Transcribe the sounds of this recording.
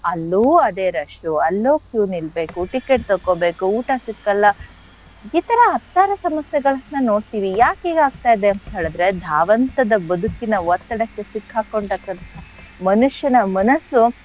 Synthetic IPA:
ɐlːuːɐd̪e̞ːɾɐʂʈuɐlːoːkjuːnilbe̞ːkuʈikeʈ̚t̪okobe̞ːkuuːʈasikːɐlːɐ | it̪ɐɾɐɦɐt̪ːaːɾɐsɐmɐsjɛɡɐɭɐsnɐno̞ːɽt̪iːʋijaːkiːɡaːɡ̚t̪aːjid̪eɐnt̪ɐɦeːɭɐd̪ɾe̞d̪ʱaːʋɐnt̪ɐd̪ɐbɐd̪ʱukinɐʋɔt̪ːɐɽɐkːesikʰːaːkoɳt̪ɐkːɐnt̪ʰɐ | mɐnuʂjɐnɐmɐnɐsu

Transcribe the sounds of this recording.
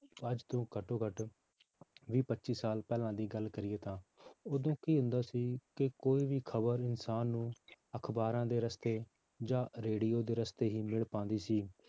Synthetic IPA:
əd͡ʒt̪õːkəʈõːkəʈ | ʋiːpətːʃiːsaːlpɛːlãːd̪iːɡəlkəɾɪeːt̪ãːoːd̪õːkiːɦʊ̃nd̪aːsiːkɪkoːiːʋiːkʰəbəɾɪnsaːnːũːəkʰbaːɾãːd̪eːɾəst̪eː | d͡ʒãːɾeːɖiːjoːd̪eːɾəst̪eːɦiːmɪɭpãːnd̪iːsiː

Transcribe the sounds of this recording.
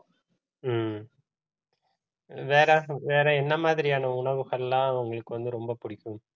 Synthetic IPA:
m | ʋeːɾɐʋeːɾɐɛnːɐmaːðɪɾɪjaːnɐʊɳɐʋɯɣɐɭɐlːãːɐʋɐŋɡɐɭɯkːɯʋɐnd̪ɯɾɔmbɐpʊɽɪkːɯm

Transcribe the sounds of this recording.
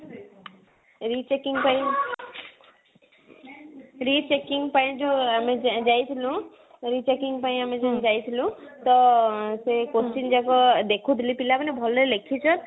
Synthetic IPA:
ɾit͡ʃekiŋɡpaĩ | ɾit͡ʃekiŋɡpaĩd͡ʒɔamed͡ʒajt̪ʰilũ | ɾit͡ʃekiŋɡpaĩamed͡ʒnd͡ʒajt̪ʰilũt̪ɔsekost͡ʃind͡ʒakɔd̪ekʰud̪ʱilipilapanebʱɔllekʰit͡ʃʰɔn

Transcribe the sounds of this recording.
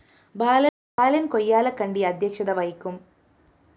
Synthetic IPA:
baːlɐ | baːlɐnko̞jːaːlɐkːɐɳɖiɐd̪ʱjɐkʂɐðɐʋɐjkʲːum

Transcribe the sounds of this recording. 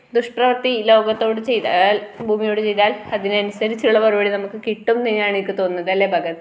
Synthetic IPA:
d̪uʂʈrɐʋɐrt̪ilo̞ːɡɐt̪ːo̞ːɽɨt͡ɕe̞jt̪albʱuːmijo̞ːɽɨt͡ɕe̞jt̪aːlɐðinɨɐnusɐɾit͡ɕːuɭːɐpɐrubɐɽinɐmukːɨkiʈːumninjaːɳikːɨt̪o̞ːnːɐðɐlːeːbʱɐɡɐt̪ː

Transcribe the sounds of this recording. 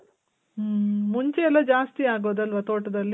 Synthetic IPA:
muɲt͡ʃeɛlːɐd͡ʒaːst̪iaːɡoːd̪ɐlʋɐt̪oːʈɐd̪ɐlːi

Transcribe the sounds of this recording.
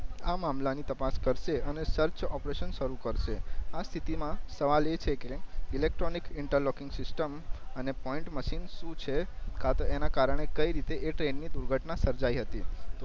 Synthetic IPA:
amamlanit̪əpaskəɾʃeənesəɾt͡ʃɔpɾeʃənʃəɾukəɾʃeast̪ʰit̪imãsəʋalet͡ʃʰekeɪlek̚ʈɾonikɪɳʈəɾlɔkɪ̃ŋɡsɪsʈəmənepɔĩɳʈməʃinʃũt͡ʃʰekʰat̪əenakaɾəɽ̃ekəiɾit̪eʔeʈɾenːid̪uɾɡʱəʈnasəɾd͡ʒaiɦət̪it̪o

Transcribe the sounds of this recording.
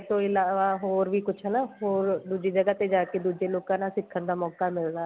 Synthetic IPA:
t̪õːɪlaːʋaːɦoːɾʋiːkʊt͡ʃʰənaɦoːɾd̪uːd͡ʒeːd͡ʒəɡat̪ed͡ʒaːked̪uːd͡ʒeːloːkãːnãːsɪkʰːənd̪aːmɔːkaːmɪld̪aː

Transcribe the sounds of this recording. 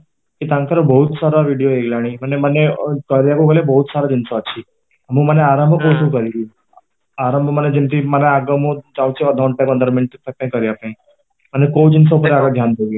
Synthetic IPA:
kit̪ãnt̪ʰəɾəbəɦut̪saɾaʋiɽijoeɡlaɽ̃imənemənekəɾjakũɡəljabəɦut̪saɾad͡ʒinsoət͡ʃʰi | əmũməneaɾəmbʱəbousũkəɾiɡi | aɾəmbʱəməned͡ʒint̪ʰiməneaɡəmõd͡ʒãʋũt͡ʃʰeəd̪ʱaɳʈakənd̪əɾmɪnʈ̪t̪ʰək̚t̪ãĩkəɾjapãĩ | mənekowd͡ʒins̬opəɾeaɡəd̪ʱjand̪ʱeɡi

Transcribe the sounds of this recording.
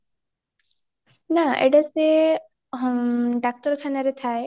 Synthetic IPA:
naʔḛɖase | ɖak̚ʈɔɾkʰanaɾet̪ʰae

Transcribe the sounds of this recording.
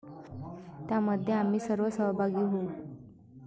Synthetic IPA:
t̪jaməd̪ʱːjeam̤iːsəɾʋəsəɦbʱaɡiːɦou

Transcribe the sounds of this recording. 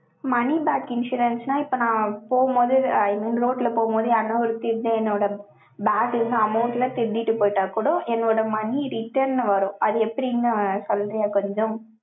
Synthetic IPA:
mɐnibaːkɪnʂuːɾɐnsnãːɪpːoːnãːpoːɣɯmboːðɯɐɪnɐnɾoːʈːlɐpoːɣɯmboːðɯɐnːɐɔɾɯt̪ɪɾd̪eɛnːoːɽɐ | baːʈɪɯŋɡɐɐmɐʊʈlat̪ɪɾd̪ɪʈːɯpoːjɪʈːaːkuɽʊ̃ʔɛnːoːɽɐmɐniɾɪʈːɐɾnʋɐɾʊ̃ʔɐðɯɛpːɐɾiɪŋɡɐsɔld̪ɐjaːkɔɲd͡ʒõ

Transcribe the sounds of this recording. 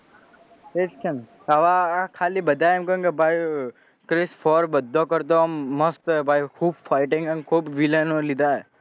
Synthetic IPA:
et͡ʃt͡ʃʰən | aʋakʰalibəd̪ʱaeemkəũkebʱaj | kɾesfʰɔɾbəd̪ʱːokəɾt̪̬omːəst̪ɛbʱajkʰuːbfaɪʈɪ̃ŋɡəmkʰuːbʋilənolid̪ʱaɦe

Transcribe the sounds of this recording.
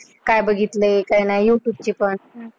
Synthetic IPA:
kajbəɡʱit̪lekajnajjuʈjub̚t͡ɕiːpəɳ

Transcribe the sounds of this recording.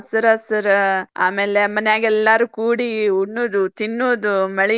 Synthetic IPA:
sɐɾɐsɐɾa̰ːmeːlemɐnejaːɡɛlːaɾuːkuːɽiuɳːuːd̪ut̪inːuːd̪umɐɭi

